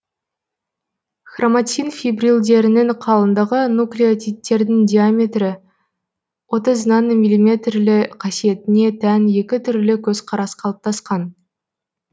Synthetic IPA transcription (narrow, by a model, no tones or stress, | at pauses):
χromat̪sijnfijbrilˠd̪e̞ɾɪnɪŋqʰɑlˠənd̪ɑʁənuklijot̪ʲʰit̪ːe̞ɾd̪ɪŋd̪ʲiamʲe̞t̪ɾɪ | wo̞t̪əznɑnmʲijlʲimʲe̞t̪rlɪqʰɑsije̞t̪ɪne̞t̪ʰænje̞kʲɪt̪ʰʏɾlɪkʲʰɵzqʰɑɾɑsqʰɑlˠəp̚t̪ɑsqɑn